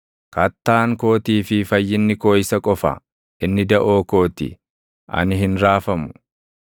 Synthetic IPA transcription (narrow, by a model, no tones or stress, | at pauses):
kɐt̪ːaːŋko̞ːt̪iːfɪfɐjːɪnːɪko̞ːɪsɐkʼɔfɐ̰ | ʔɪnːɪd̪ɐʔo̞ːko̞ːt̪ɪ̰ | ʔɐ̰nɪɦɪnɾaːfɐmʊ̥